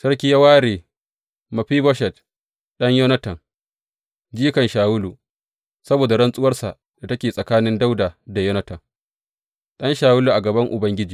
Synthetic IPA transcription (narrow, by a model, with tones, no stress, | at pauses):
sɐ˦rk̬ʲi˦jɐ˦waː˦ɾeː˨ | mɐ˨ɸiː˦bɔ˦ʃɛ˨t̚ | ɗɐ˦ɲjɔ˦nɐ˦tɐ˨n | d͡ʒiː˦kɐ˨nʃaː˨wʊ˦lu˨ | sɐ˦boː˨da˨ɽɐ˦nsʼʊ˦wɐ˦rsa̰˨ʔ | da˨tɐ˦kʲeː˨sʼɐ˨kaː˦nɪ˦nda˦wdaː˨da˨jɔ˦nɐ˦tɐ˨ŋ | ɗɐ˦nʃaː˨wʊ˦lu˨ʔa˨ɡɐ˨bɐ˦ŋʔʊ˨bɐ˦ŋɡʲɪ˦d͡ʒiː˨